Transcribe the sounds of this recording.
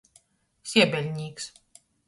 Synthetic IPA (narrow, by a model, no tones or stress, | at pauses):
sʲiɛbʲɛlʲɲʲiːks